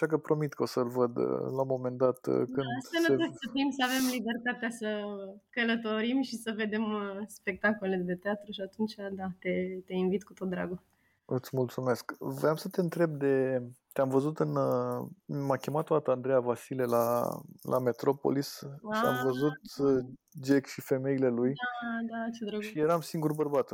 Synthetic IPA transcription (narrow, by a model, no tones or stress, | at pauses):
aʃak̬əpɾo̞mit̪kəosəlvəd̪̰lamo̞me̞nd̪at̪kɨnaseetosəfimsəave̞mlibe̞rt̪at̪easəkələt̪o̞ɾimʃisəve̞d̪e̞mspe̞k̚t̪akoled̪e̞t̪eat̪ɾuʃiat̪unt͡ʃad̪at̪e̞t̪e̞invit̪kut̪ot̪̚d̪ɾa̰ɡo | ɨt̪sʲmult̪sume̞skvɾeamsət̪eɨnt̪ɾe̞b̚d̪e̞t̪eamvəzut̪ɨn | makʲemat̪oat̪and̪ɾejavasile̞la̰lʔa̰me̞t̪ɾo̞po̰lisa̰mvəzut̪̚ | d͡ʒekʃife̞me̞ile̞lujad̪at͡ʃed̪ɾoɡʃijeɾamsiŋɡuɾbərbat̪